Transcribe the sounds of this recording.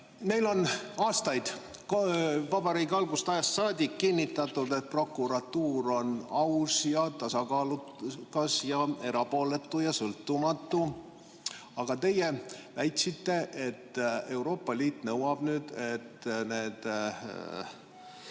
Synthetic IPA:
me̞jlo̞nɑːst̪ɑjd̪̥ | kvɑbɑɾiːkeɑlɡust̪ɑjɑst̪sɑːd̪ʲikːinʲːit̪ːˑɑt̪ːˑud̪e̞t̪̚pro̞kːˑuɾɑt̪ːuːɾo̞nɑwsjɑt̪ɑsɑkɑːlukɑsjɑe̞ɾɑpo̞ːle̞t̪ːujɑsɤlt̪ːumɑt̪ːu | ɑɡ̥ɑt̪e̞jevæjt̪ʲsit̪ːe̞ʔe̞t̪ːe̞wɾo̞ːpːˑɑliːt̪ˑnɤwɑb̥nyːd̪̥et̪ne̞ːd̪̥

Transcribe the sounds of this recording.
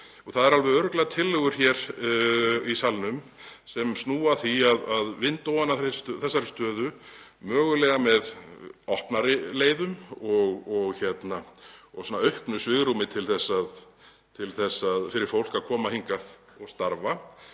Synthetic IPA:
ɔθaðɛɾalvɛɾðœɾʏklɛɣat̪ʰɪlːʏɣʏɾ̥çɛːɾ̥ | isalnʏmsɛmsnuːaθiaðaðvɪnt̪owanaθɾ̥st̪θɛsːaɾ̥st̪œːðʏ | mœːɣʏlɛɣamɛðɔhpnaɾɪleːjðʏmɔɣɔɣçjɛt̪naɔsɔnːaœɥhknʏsvɪɣɾumɪt̪ʰɪlθɛsːað | t̪ʰɪlθɛsːaðfɪɾɪɾ̥fowl̥kaðkʰɔːmahiŋkaðɔɣst̪aɾva

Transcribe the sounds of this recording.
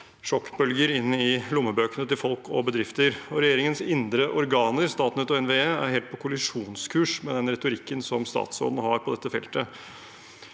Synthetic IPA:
ʂɔkːbœlɡəɾɪnːəɪlʊmːəbøːkənət̪ɪlfɔlkʰɔbəd̪ɾɪft̪əɾɔɾɛjeːɾɪŋənsɪnd̪ɾəʔɔɾɡɑːnəɾst̪ɑːt̪nɛt̪ɔɛnʋeːeːæɾheːlt̪pɔkʰʊlɪʂuːnskʰʉːʂmɛd̪ɛnɾɛt̪ʊɾɪkːənsɔmst̪ɑ̰ːt̪sɔ̰ːd̪nəɦɑɾpʰɔd̪ɛt̪ːəfɛ̰lt̪ə

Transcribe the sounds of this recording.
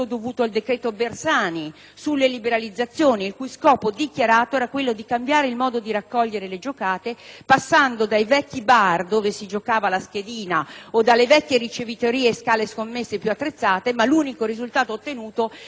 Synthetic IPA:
od̪ovuːt̪oald̪ekɾɛːt̪obersaːni | sulːelibeɾalid̪zːat̪sːjoːniːlkujskɔːpod̪ikjaɾaːt̪oɛːɾakwelːod̪ikambjaːɾeilmɔːd̪od̪iɾakːɔʎːeɾeled͡ʒokaːt̪epasːand̪od̪ajvɛkːibard̪oːvesid͡ʒokaːvalask̟ed̪iːnaod̪alːevɛkʲːjeɾit͡ʃevit̪oɾiːeːskaːleskomːesːepjuat̪ːɾet̪sːaːt̪emaluːnikoɾizult̪aːt̪oːt̪ːenuːt̪o

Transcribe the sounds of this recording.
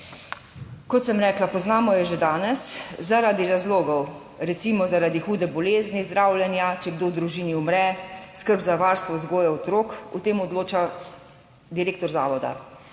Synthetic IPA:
kɔt̪səmɾɛːklapɔznaːmɔjɛʒed̪aːnɛszaɾad̪iɾazloːɡɔw | ɾɛt̪siːmɔzaɾad̪ixuːd̪ɛbɔleːznizd̪ɾaːwljɛnjat͡ʃɛɡd̪oːwd̪ɾuʒiːniumɾɛskəɾbzaʋaːɾst̪ʋɔzɡoːjɛɔt̪ɾoːkut̪eːmɔd̪loːt͡ʃa | d̪iɾeːk̚t̪ɔɾzaːʋɔd̪a̰

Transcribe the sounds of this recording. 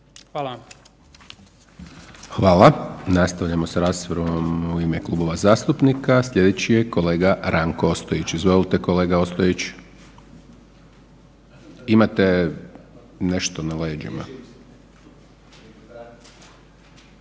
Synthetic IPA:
xal | xʋaːlanast̪aʋʎamo̞saɾaːst̪ʋoɾomuimeklˠubo̞ʋazaːst̪upnikaslʎʲe̞d̪et͡ɕijeko̞le̞ːɡaɾaŋkoost̪ojit͡ɕizʋolilˠt̪e̞ko̞le̞ːɡao̞st̪ojit͡ɕ | imat̪e | ne̞ʃt̪o̞nale̞ːd͡ʒḭma̰

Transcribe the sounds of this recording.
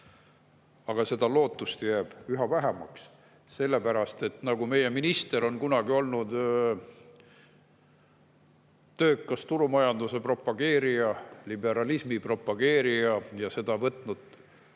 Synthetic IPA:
ɑɡ̥ɑse̞d̪̥ɑlo̞ːt̪ːˑust̪jæːb̥yɦɑvæɦemɑ̰ks | se̞lːe̞pæɾɑst̪e̞t̪ːnɑɡ̥ume̞je̞minist̪e̞ɾo̞nkunɑɡ̥io̞lnud̪̥ | t̪ø̞ːkːˑɑst̪uɾumɑjɑnd̪use̞pro̞pːɑɡ̥e̞ːɾijɑlibe̞ɾɑlismipro̞pːˑɑɡ̥e̞ːɾijɑjɑse̞d̪̥ɑvɤt̪ˑnud̪̥

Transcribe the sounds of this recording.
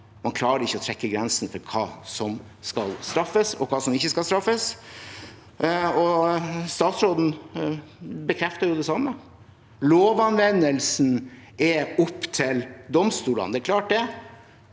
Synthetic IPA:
mɑnkʰlɑːɾəɾɪçːəɔt̪ʰɾɛkːəɡɾɛnsnfɔɾkʰɑ̰ːsɔm | skɑlst̪ɾɑfːəsɔ̰kʰɑːsɔmɪçːəskɑlst̪ɾɑfːəs | ɔst̪ɑːt̪sɾoːd̪n̩ | bəkʰɾɛft̪ɑɾjʊd̪ɛsɑmːə | loːʋɑnʋɛnːəlsn̩ɛʊpːt̪ʰɪld̪ɔmst̪uːlə̰nd̪ɛæɾkʰlɑːʈ̚d̪ɛ

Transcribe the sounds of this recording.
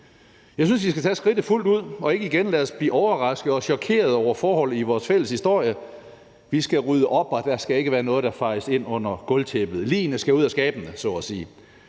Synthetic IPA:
jɑ̈ɪsynsʋisɡ̥æt͡sʰɛ̰ːsɡ̥ʁid̥ð̩ˠful̰d̥uð̞̰ˠɒ̽e̝ɡ̥əiɡ̥enlæsb̥lḭːʔɒʊɐʁɑ̈sɡ̥ð̩ˠɒ̽ɕɒ̽kʰe̝̰ːɐð̞ˠɒʊ̰ɐfɒːhɒ̽l̰ð̩ˠiʋɒːsfel̰əshisd̥o̝ɐ̰jə | ʋisɡ̥æʁyðˠəʔɒ̽b̥ɒd̥æsɡ̥æe̝ɡəʋæːɐnɔ̽ːð̞̩ˠd̥ɑ̈fɑ̈ɪse̝n̰ɔ̽n̰ɐɡ̥ɔ̽lt͡sʰeb̥ð̩ˠlḭːnəsɡ̥æuð̰ˠæsɡ̥ɛːb̥ənəsɒ̰ɒsiː

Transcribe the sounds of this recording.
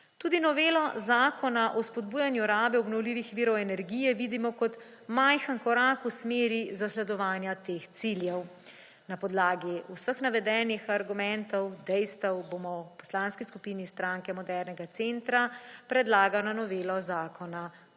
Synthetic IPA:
t̪uːd̪inɔʋeːlɔzaːkʰɔnaʔɔspɔd̪̚buːjanjuɾaːbɛɔbnɔwliːʋixʋiːɾɔɛnɛɾɡijɛʋid̪imɔkɔt̪ | majxankɔɾakusmeːɾizaslɛd̪ɔʋaːnjat̪eːxt̪siljɛw | napɔd̪laːɡiusəxnaʋɛd̪ɛːnixaɾɡumɛnt̪ɔwd̪ɛjst̪ɔwbomɔpɔ̥slanskiskupiːnist̪ɾaŋkɛmɔd̪ɛɾnɛɡat̪sent̪ɾapɾɛd̪laːɡanɔnɔʋeːlɔzaːkʰɔna

